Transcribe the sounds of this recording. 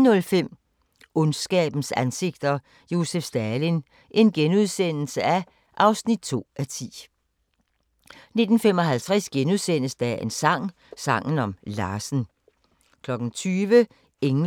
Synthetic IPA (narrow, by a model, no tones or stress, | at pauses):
nɔ̽lfem̰ | ɔnsɡ̥ɛ̰ːb̥n̩sænse̝ɡ̥̚d̥ɐ | jo̝sefsd̥ælin | ʔe̝nɡ̥enuðˠsen̰l̩səæ | ʔɑ̈ʊsnid̥̚t͡sʰo̝̰ːʔæt͡sʰḭː | ne̝d̥n̩fem̰ɒ̽ɦælt͡sʰʁɛsɡ̥enuð̞ˠsen̰əsd̥æensɑ̈ŋ̰ | sɑ̈ŋ̰n̩ɒ̽mlɑ̈ːsn̩ | kʰlɒ̽ɡ̥n̩t͡sʰyːʋə | eŋ